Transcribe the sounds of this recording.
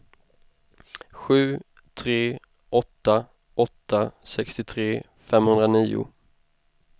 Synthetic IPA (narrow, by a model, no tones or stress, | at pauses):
ɧʉ̟ː | t̪ʰɾeː | ʔɔt̪ːa | ɔt̪ːasɛkst̪ɪt̪ʰɾeː | fɛmhɵnd̪ɾaniːʊ̰